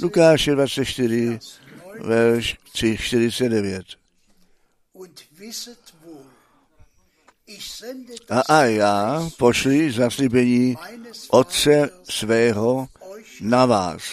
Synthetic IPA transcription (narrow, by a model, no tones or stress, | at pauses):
lukaːʃɛdvatt͡sɛt̪ʃt̪ɪɾɪ | vɛɾʃt̪r̥iʃt̪ɪɾ̝ɪt͡sɛt̪̚dɛvjɛt̪ | ʔaʔajaːpo̞ʃlizaslibɛɲiːʔot̪t͡sɛsvɛːɦo | nava̰ːs